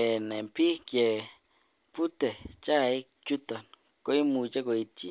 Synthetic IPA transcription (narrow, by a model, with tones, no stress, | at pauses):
ɛ˨nɛ˨mpi˦kjɛ˨ | pu˦t̪ɛ˨t͡ʃa˦˨i˦ | t͡ʃu˦t̪ɔ˨n | ko˦i˦mu˨t͡ʃa˦ko˨i˦˧ti˦